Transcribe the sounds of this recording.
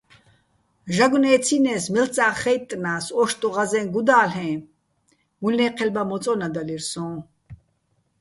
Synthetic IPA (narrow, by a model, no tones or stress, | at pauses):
ʒaɡunɛːt͡sʰinɛːsmilt͡sʼaːχɛjt̪ʼːnaːsɔʃt̪ʼuʁazɛ̃nɡud̪aːlɛ̃ː | mulnɛːqʰɛlbamɔt͡sʼɔnad̪aliɾsɔ̃ː